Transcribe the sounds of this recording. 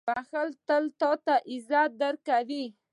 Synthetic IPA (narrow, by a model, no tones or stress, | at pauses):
baxəlt̪əlt̪ot̪aʔɪzɑd̪əɾkawi